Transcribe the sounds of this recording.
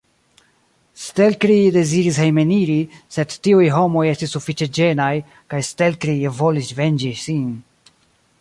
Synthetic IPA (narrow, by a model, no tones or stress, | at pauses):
stelkɾide̞ziɾishejme̞niɾise̞d̪tiujɦo̞mo̞je̞stisːufit͡ʃed͡ʒe̞naj | kajstelkɾivo̞lisve̞nd͡ʒisin